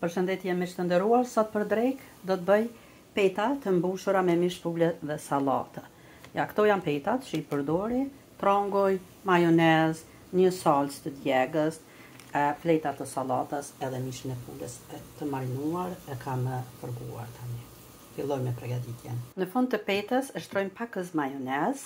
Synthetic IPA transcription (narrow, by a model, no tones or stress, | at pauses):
pəɾʃənd̪ɛt̪jɛmɛʃt̪ənd̪əɾuaɾsɔt̪̚pəɾd̪ɾɛk | d̪ɔt̪əbəj | pɛjt̪at̪əmbuʃuɾamɛmiʃfulɛðɛsalˠa̰t̪ə | jakt̪ɔjanpɛjt̪at̪t͡ʃiipəɾd̪ɔɾi | t̪ɾɔŋɡɔj | majɔnɛz | ɲəsalt͡st̪əd̪jɛɡəs | flɛjt̪at̪əsalat̪əsɛðɛmiʃənɛfṵnd̪əsɛt̪əmaɾinuaɾɛkʰaməfəɾɡṵa̰ɾt̪ʰani | filˠɔjmɛpɾɛɡad̪it̪jɛnnəfund̪t̪əpɛt̪əsəʃt̪ɾɔjmpakəs̬majɔnɛz